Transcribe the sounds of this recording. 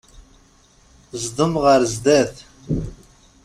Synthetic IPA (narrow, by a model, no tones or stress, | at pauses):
zd̪ɨmʁaɾzd̪ɛt